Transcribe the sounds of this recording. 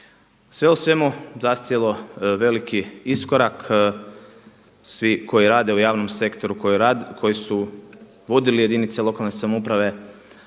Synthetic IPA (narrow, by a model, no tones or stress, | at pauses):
sʋeusʋe̞muzast̪jelˠo̞ʋe̞likiisko̞ɾak | sʋiko̞jiɾaːd̪e̞ujaːʋno̞mse̞kt̪o̞ɾukkʰo̞jisu | ʋo̞d̪ilije̞d̪init̪selˠo̞kalne̞samupɾaʋe̞